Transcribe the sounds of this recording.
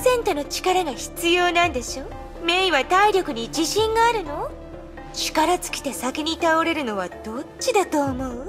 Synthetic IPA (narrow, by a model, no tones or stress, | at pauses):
sẽ̞nt̪o̞no̞t͡ɕi̥kaɾaɡaçi̥t͡sɨjo̞ːnãnd̪e̞ɕo̞ː | me̞iβat̪aiɾʲjo̞kɯ̟ɲ̟id͡ʑiɕĩŋɡaːɾɯ̟no̞ | t͡ɕi̥kaɾat͡sɨ̥kʲi̥t̪e̞sakeɲ̟it̪aoɾe̞ɾɯ̟no̞βad̪̥o̞t͡ɕid̪at̪o̞ːmo̞ɯ̟